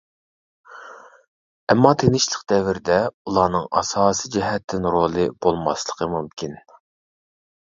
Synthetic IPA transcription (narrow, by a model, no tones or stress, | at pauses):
ɛmːɑt̪ʰeŋɪʃlˠəqd̪ɛvɪɾɪd̪ɛulˠɑːnɨŋɑ̰sɑːsid͡ʒɛɦɛt̪ʰːɪnɾolˠɨb̥olˠmɑ̰slˠəqʰəmumkʲʰin